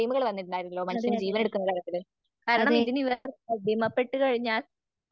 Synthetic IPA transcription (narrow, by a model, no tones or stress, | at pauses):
jmuɣɐɭʋɐnːiʈːunaːɾɐlːo̞ːmɐt͡ɕːɐnd͡ʑiːʋɐne̞ɽukːunːɐðɐɾɐt̪ːilɨ | kaːɾɐɳɐmiðiniʋɐrb̪ʱimɐpːe̞ʈːɨkɐɻiɲːaːl